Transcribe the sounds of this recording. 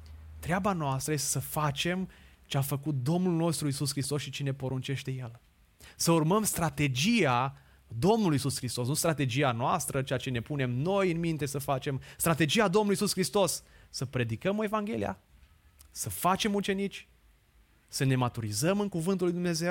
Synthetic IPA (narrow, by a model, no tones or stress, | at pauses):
t̪ɾeabanoast̪ɾəje̞st̪e̥səfat͡ʃe̞mt͡ʃeafəkut̪̚d̪o̞mnulno̞st̪ɾuisuskɾist̪o̞sʃit͡ʃine̞po̞ɾunt͡ʃe̞ʃt̪e̞jel | səurməmst̪ɾat̪e̞d͡ʒia | d̪o̞mnuluisuskɾist̪o̞snust̪ɾat̪e̞d͡ʒianoast̪ɾət͡ʃeat͡ʃe̞ne̞pune̞mno̞jɨnmint̪e̞səfat͡ʃe̞mst̪ɾat̪e̞d͡ʒiad̪o̞mnuluisuskɾist̪o̞sːəpɾe̞d̪ikəmoe̞vaŋɡʲe̞lḭja̰ | səfat͡ʃe̞mut͡ʃe̞nit͡ʃʲ | səne̞mat̪uɾizəmɨŋkuvɨnt̪ulːujd̪umne̞ze̞w